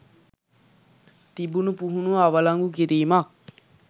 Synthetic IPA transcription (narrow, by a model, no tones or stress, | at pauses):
t̪ibunupuɦunuaʋəlaŋɡukiɾiːmak̚